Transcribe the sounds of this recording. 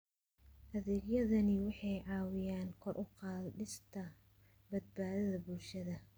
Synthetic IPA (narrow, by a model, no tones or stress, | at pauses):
ʔɐðɛːɡjɐðɐnɪwɑħɑjʕɑːwɪjaːnkʰɔrʔʊqɑːlɗɪst̪ʰɐ | bɐd̪̚baːðɐðɐbʊlʃɐðɐ